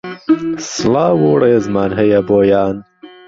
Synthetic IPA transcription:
slaːwoːɽeːzmaːnɦɐjɐboːjaːn

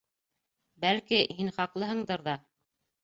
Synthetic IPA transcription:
bælkihinχɑqlˠɤɦɤ̆ɴd̪ɤɾðɑ

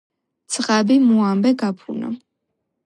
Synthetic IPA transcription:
t̪sʰʼʁabimuambɛɡapʰṵnɔ̰

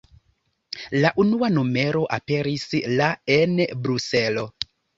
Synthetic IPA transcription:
laʔunuanome̞ɾo̞ʔape̞ɾislaenbɾuse̞lo̞

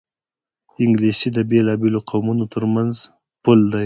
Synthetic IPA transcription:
ɪŋɡlisid̪əbelɑbeloqʰawmunot̪əɾmanz | pʊld̪aj

